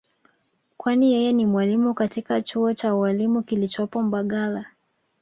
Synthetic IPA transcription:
kwanijɛjɛnimwalimukatikat͡ʃuɔt͡ʃawalimukilit͡ʃɔpɔm̩baɠala

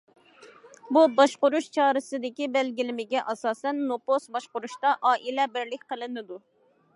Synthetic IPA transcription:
bubɑʃqʊɾuʃt͡ʃʰɑːɾɨsɨd̪ɪkʲibɛlɡʲilɪmɪɡʲɛʔɑsɑːsɛnːoposbɑʃqʊɾuʃt̪ɑʔɑːʔilɛbɪɾlɪkʲqʰəlˠɨnɨd̪u

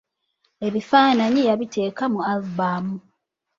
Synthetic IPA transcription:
e̞βifaːnaɲijaβite̞ːkamualbaːmu

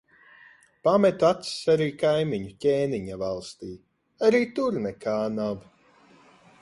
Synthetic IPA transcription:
pamɛt̪at̪ssaɾiːkajmiɲucʲeːniɲavalˠst̪iː | aɾiːt̪uɾnɛkʰaːnav

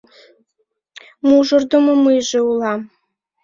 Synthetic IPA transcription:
muʒɤrd̪ŏmŏmɨjʒĕulˠɑm

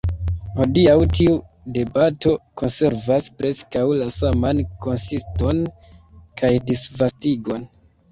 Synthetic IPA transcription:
hodiawtiu | de̞bato̞ko̞nse̞ɾvaspɾe̞skawlasamanko̞nsisto̞n | kʰajdisvastiɡo̞n

